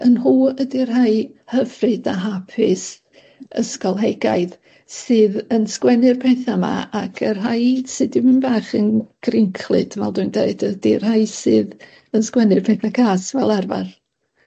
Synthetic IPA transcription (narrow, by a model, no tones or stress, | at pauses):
ənhuːədɪrɦaɨhəvrɨdaɦapʰɪs | ə̰skɔlˠɦɛɡa̰ɨð | sɨːðənskwɛnɨrpʰɛθama̰ʔakʰərɦajsɨdɪmɨnbaːχənɡ̥rɪŋkʰlˠɨ̰d̥vɛlˠduɨndeɨdədir̥haɨsɨːð | ənskwɛnɨrpʰɛθakʰaːsvɛlˠarva̰r